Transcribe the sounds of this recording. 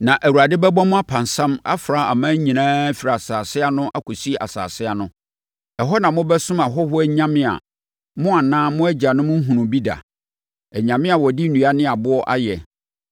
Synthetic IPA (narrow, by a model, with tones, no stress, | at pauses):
nã˨ʔæ˨wu˨a˨dɪ˦bɛ˦bɔ̃˦mʊ̃˦a˦pʰã˨nsã˦ma̰˦fɾa˨˦a̰˨mã˦ɲ˦ɲĩ˨nãː˦fi˨ɾa˨a˨saː˨sɪ˦a˦nʊ̃˦ʔa˦kʰɔ˨si˦˨ʔa̰˨sa̰ː˨sɪ˦a˦nʊ̃˦ | ɛ˨ɦɔ˦nã˨mʊ̃˦bɛ˦sʊ̃˦ma˨ɦɔ˦hʊ˦ɛ˦ɲã˦mɪ̃˦a̰˨ | mʊ̃˦a˨nãː˦mʊ̃˦æ˦d͡ʑa˨nʊ̃˦mʊ̃˦ɦũ˨nʊ̃˨bi˦da̰˨ | ɛ˨ɲã˨mɪ̃˦a˨wɔ˨di˦nũ˨a˦nɪ̃˦a˨bʊ˦ɔ˦ʔa̰˦jɛ˨